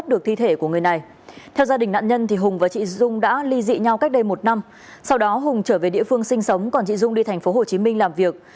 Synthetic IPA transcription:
t̚ɗɨ˨˩ək̚t̪ʰi˧t̪ʰe˧˩ku˧˩əŋɨ˨˩əjna˨˩j | t̪ʰɛ˧wzaː˧ɗï˨˩ŋ̟na̰ː˧˨nɲə˧nt̪ʰi˨˩ɦʊ˨˩ŋ͡mvaː˨˩t͡ɕḭ˧˨ʊ˧ŋ͡mɗa̰ː˧˥li˧zḭ˧˨ɲa˧wka˦˥k̚ɗə˧jmo˨˩t̚na˧m | sa˧wɗɔ˨˦ɦʊ˨˩ŋ͡mt͡ɕəː˧˩ve˨˩ɗḭ˧˨əfɨ˧əŋsï˧ŋ̟sə˨˦wŋ͡mkɔ˨˩nt͡ɕḭ˧˨zʊ˧ŋ͡mɗi˧t̪ʰɛ˨˩ŋ̟fo˨˦ɦo˨˩t͡ɕi˨˦mï˧ŋ̟laː˨˩mvi˨˩ək̚

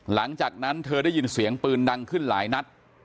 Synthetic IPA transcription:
la˩˦ŋt͡ɕaː˨˩k̚na˦˥nt̪ʰɤː˧daː˥˩jiː˧nsi˩˦əŋpɯː˧nda˧ŋkʰɯ˥˩nla̰ː˩˦jna˦˥t̪̚

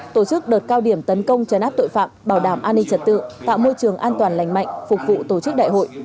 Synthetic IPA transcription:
t̪o˧˩t͡ɕɨ˦˥k̚ɗəː˨˩t̚kaː˧wɗi˧˩əmt̪ə˨˦nkə˧wŋ͡mt͡ɕə˨˦nʔaː˦˥p̚t̪o̰˧˨jfa̰ː˧˨mɓaː˧˩wɗaː˧˩mʔaː˧nːï˧ŋ̟t͡ɕə˨˩t̚t̪ɨ̰˧˨ə˨ŋt̪a̰ː˧˨wmo˧jt͡ɕɨ˨˩əŋʔaː˧nt̪waː˨˩nla̰˧˩jŋ̟ma̰˧˨jŋ̟fʊ˨˩k̚vṵ˧˨t̪o˧˩t͡ɕɨ˦˥k̚ɗa̰ː˧˨jɦo̰˧˨jʔ

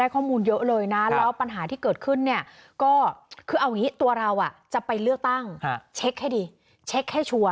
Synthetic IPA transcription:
aː˥˩jkʰɔː˥˩muː˧njɤ˦˥ʔlɤː˧jna˦˥llɛ˦˥wpa˧nɦaː˩˦t̪ʰiː˥˩kɤː˨˩t̪̚kʰɯ˥˩nːi˥˩ɐkɔː˥˩kʰɯː˧ʔa˧wŋiː˦˥t̪u˧ɐɾa˧wʔa˨˩t͡ɕa˨˩pa˧jlɯ˥˩ək̚t̪a˥˩ŋt͡ɕʰe˦˥k̚ha˥˩jdiː˧ | t͡ɕʰe˦˥k̚ha˥˩jt͡ɕʰu˧ə

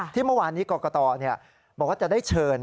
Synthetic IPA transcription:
t̪ʰiː˥˩mɯ˥˩waː˧nːiː˦˥kɔː˧kɔː˧t̪ɔː˧ni˥˩ɐ | bɔː˨˩kwa˥˩t͡ɕa˨˩da˥˩jt͡ɕʰɤː˧n

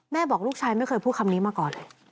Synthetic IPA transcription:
mɛː˥˩bɔː˨˩k̚luː˥˩k̚t͡ɕʰaː˧jma˥˩jkʰxɤː˧jpʰuː˥˩t̪̚ʰmniː˦˥maː˧kɔː˨˩nlɤː˧j

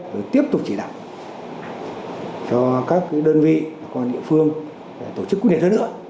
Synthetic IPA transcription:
t̪o˧˨˩jt̪i˦˥əp̚t̪ʊ˨˩k͡p̚t͡ɕi˧˩ɗa̰ː˧˨w | t͡ɕɔ˧kaː˦˥kkːɗəː˧nvḭ˧˨vaː˨˩kɔ˧nɗḭ˧˨əfɨ˧əŋ | ɗe˨˩t̪o˧˩t͡ɕɨ˦˥kːnɲi˨˩t̚hnɨ̰˧˥ə

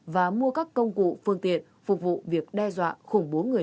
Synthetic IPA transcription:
vaː˨˩mu˧əkaː˦˥kːə˧wŋ͡mkṵ˧˨fɨ˧əŋt̪ḭ˧˨ən | fʊ˨˩k͡p̚vṵ˧˨vi˨˩ək̚ɗɛ˧zwa̰ː˧˨xʊ˧˩ŋ͡mɓo˨˦ŋɨ˨˩ə˩

